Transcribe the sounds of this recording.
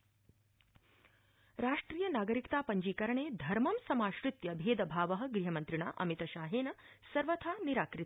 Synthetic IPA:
ɾaːʂʈɾiːjɐnaːɡɐɾikt̪aːpɐɲd͡ʒiːkɐɾɐɳeːd̪ʱɐɾmɐmsɐmaːʃɾɪt̪jɐbʱeːd̪ɐbʱaːʋɐɦɐ̆ɡɾiɦɐmɐnt̪ɾiɳa̰ːʔɐ̰mit̪ɐʃaːɦeːnɐ | sɐɾʋɐt̪ʰaːniɾaːkɾɪ

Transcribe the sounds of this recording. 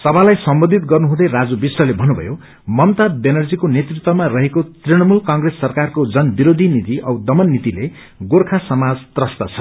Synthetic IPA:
sʌbʱalajsʌmbʌd̪ʱit̪̚ɡʌrnuɦũd̪ʌjrad͡zubisrʌlebʱʌnubʱʌ̰jo | mʌmt̪abenʌrd͡zikonet̪rit̪wʌmarʌɦekot̪riɽ̃ʌmulkaŋɡresːʌrkarkod͡zʌnbiɾod̪ʱinit̪iʔʌ̰wd̪ʌmʌnːit̪ile | ɡorkʰasʌmad͡zt̪rʌst̪at͡sʰʌ

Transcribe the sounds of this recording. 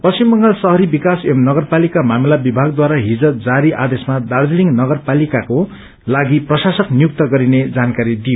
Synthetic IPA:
pʌst͡ɕimːʌŋɡʌlsʌɦʌɾibikasemnʌɡʌrpalikamamilabibʱaɡ̚d̪waɾaɦid͡zʌd͡zaɾiʔad̪esmad̪ard͡ziliŋnʌɡʌrpalikako | laɡiprʌsasʌknijuk̚t̪ʌɡʌɾined͡zankaɾid̪ijo

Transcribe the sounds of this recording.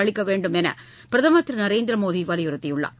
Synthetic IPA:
ɐɭɪkːɐʋeːɳɖɯmɛnɐ̰ | pɪɾɐðɐmɐt̪ːɾɯnɐɾeːnd̪ɪɾɐmoːðiʋɐːlɪjʊɾɐt̪ːɪjʊɭːa̰ː

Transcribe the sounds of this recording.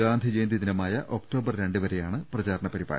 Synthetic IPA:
aːnd̪ʱid͡ʑeːnd̪iðinɐmaːjɐʔo̞kʈo̞ːbɐrɾe̞ɳɖɨʋɐɾe̞jaːɳɨprɐd͡ʑaːɾɐɳɐpɐɾiba̰ːɾɐ

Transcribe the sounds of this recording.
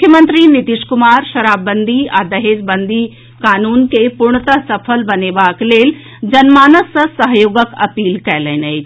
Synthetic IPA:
ʊkʰjəmə̃nt̪ɾinit̪iʃkʊmaːɾʃɐɾaːbːə̃nd̪ʱia̰ːd̪ɐɦeːd͡ʒbɐ̃nd̪ʱi | kaːnuːnkepʊɾɳ̃ət̪asɐpʰəlbɐneʋaːkleːl | d͡ʑɐnmaːnəsɐsɐɦjoːɡəkɐpiːlkɐlənəi

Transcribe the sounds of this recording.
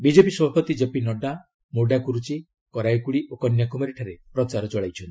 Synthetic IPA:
bid͡ʒepisɔbʱapɔt̪id͡ʒepinɔɖa | moɖakuɾut͡ʃi | kɔɾajkuɭiʔokɔnjakumaɾiʈʰaɾepɾɔt͡ʃaɾɔt͡ʃɔɭajt͡ʃʰɔnt̪i

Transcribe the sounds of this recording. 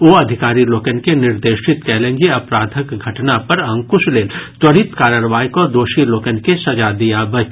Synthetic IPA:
oːɐd̪ʱɪkaːɾiloːkənkenɪɾd̪eːʃɪt̪kɛːlẽːŋɡeɐpɾaːd̪ʱəkɡʱɐʈnapɐɾɐ̃ŋkʊsleːlt̪wɐɽ̤ɪt̪kaːɾaːɾʋaːjkod̪oːʃiloːkənkesɐd͡ʒad̪ijabɐt͡ʃ

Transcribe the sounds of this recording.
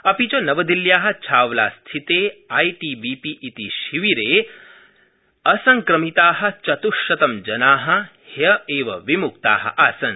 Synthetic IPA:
ɐpit͡ʃɐnɐʋɐd̪iljaːɦɐ̆t͡ʃʰaːʋla̰ːst̪ʰit̪eːajʈiːbiːpiʔːt̪iʃiʋiɾeː | ɐsɐŋkɾɐmit̪aːɦɐ̆t͡ʃɐt̪uʃɐt̪ɐmd͡ʒɐnaːɦɐ̆hjɐeːʋɐʋimuk̚t̪a̰ːɦɐ̰ʔaːsɐn

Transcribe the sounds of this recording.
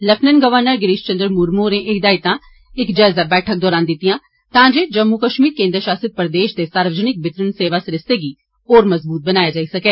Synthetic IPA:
ləpʰnənɡəʋəɾnəɾɡɪɾiːʃt͡ʃə̃nd̪əɾmuːɾmoːɾẽːʔeid̪aːit̪ãː | ɪkd͡ʒaːzaːbɛːʈʰək̚d̪ɔːɾaːnd̪ɪt̪ːɪjãː | t̪ãːd͡ʒeːd͡ʒəmːukəʃmiːɾkẽːnd̪ɾəʃaːsəd̪̚pɾd̪eːʃd̪eːsaːɾʋəd͡ʒənɪk̚bɪt̪ɾənseːʋaːsɾɪseːɡiː | oːɾməzbuːt̪̚bənaːjaːd͡ʒaːiːsəkeː

